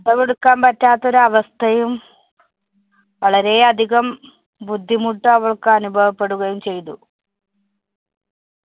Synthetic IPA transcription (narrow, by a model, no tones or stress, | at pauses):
ɐd̪ɐʋeɽukːaːnpɐtːaːt̪ːo̞ɾuɐʋɐst̪ʰɐjum | ʋɐɭɐɾe̞ɐd̪ʱiɣɐm | bud̪ʱːimuʈːɐɐʋɐɭkɨɐnubʱɐʋɐpːe̞ɽuɣɐjumt͡ɕe̞jt̪ṵ